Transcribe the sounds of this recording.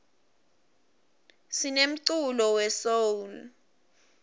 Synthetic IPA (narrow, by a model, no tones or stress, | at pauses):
sinem̩ǀulɔwɛsoul